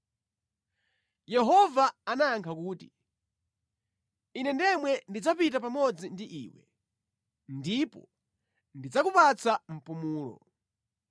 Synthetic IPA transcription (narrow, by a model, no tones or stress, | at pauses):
jɛɦɔvaanajaŋkʰakuːti | inɛndɛmwɛndid͡zapitapamɔd͡zindiʔiːwɛ̰ | ndipɔ̰ | ndid͡zakupat͡sʰam̩pumuːlɔ̰